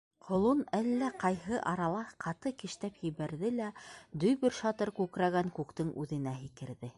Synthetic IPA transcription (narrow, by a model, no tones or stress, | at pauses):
qʰŏlˠunælːæqɑjhɤʔɑɾɑlˠɑqʰɑt̪ɤkɘ̆ʃt̪æpjɘ̆βæɾðɘlæd̪ɵjbɘɾʃɑt̪ɤɾkʉkɾæɣæŋkʉkt̪ɘŋʔʉðɘ̆næɦikɘ̆ɾðɘ